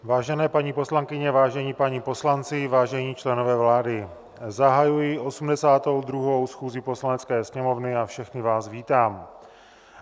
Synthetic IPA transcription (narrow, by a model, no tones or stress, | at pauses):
vaːʒɛnɛːpaɲipo̞slaŋkɪɲɛvaːʒɛɲiːpaɲipo̞slant͡sɪvaːʒɛɲiːt͡ʃlɛno̞vɛːvlaːdɪ | zaɦajujɪʔo̞sumdɛsaːt̪o̞wd̪ɾuɦo̞wsxuːzipo̞slanɛt͡skɛːsɲɛmo̞vnɪafʃɛxnɪvaːzviːt̪aːm